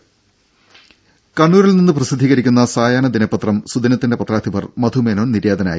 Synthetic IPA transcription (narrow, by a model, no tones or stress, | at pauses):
kɐɳːuːɾilninːɨprɐsid̪ʱːiːɣɐɾikʲːunːɐsaːjaːɳɐd̪inɐpːɐt̪rɐmsud̪inɐt̪ːindepɐt̪raːd̪ʰʱibɐrmɐd̪ʱumenoːnniɾeːd̪ɐna̰ːji